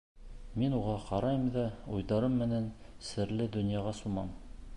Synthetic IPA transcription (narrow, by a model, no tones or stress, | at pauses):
minuʁɑqɑɾɑjmd̪ɑujðɑɾɤmːɘ̆næn | sɘ̆ɾlɘd̪ɵ̆njɑʁɑsumɑm